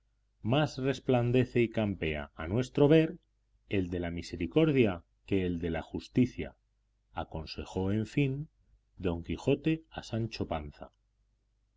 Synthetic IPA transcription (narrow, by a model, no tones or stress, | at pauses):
masre̞spland̪e̞θe̞ikampe̞a̰ːnwe̞st̪ɾo̞βe̞ɾ | e̞ld̪e̞lamise̞ɾiko̞ɾðja | ke̞ːld̪e̞laxust̪iθja̰ | ako̞nse̞xo̞eɱfin | d̪o̞ŋkixo̞t̪e̞asant͡ʃo̞panθa̰